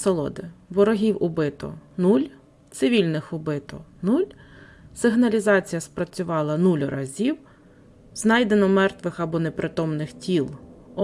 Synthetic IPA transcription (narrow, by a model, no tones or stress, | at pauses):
sɐlˠɔ̰d̪ɪʋɔɾɔɦʲiwʊbɪt̪ɔ̰nulʲ | t̪sɪʋʲilʲnɪxʊbɪt̪ɔnulʲ | sɪɦnɐlʲizɑt͡sʲijɐspɾɐt͡sʲʊʋɑlˠɐnulʲʊɾɐzʲiw | znɑjd̪enɔmɛrt̪ʋɪxɐbɔnepɾʔɪt̪ɔmnɪxtʲilˠɔ